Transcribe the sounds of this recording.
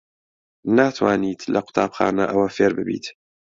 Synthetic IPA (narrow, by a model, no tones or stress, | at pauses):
naːt̪waːniːt̪lʔaqʊ̥t̪ˤaːbxa̰ːna̰ʔawafeɾbəbḭːt̪